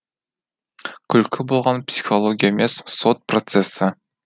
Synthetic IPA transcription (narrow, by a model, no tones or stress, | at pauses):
kʲʰʏlkʲʰɪbolˠʁɑnpsʲi̥χolˠoɡʲijaemesːot̪̚prot̪sesɪ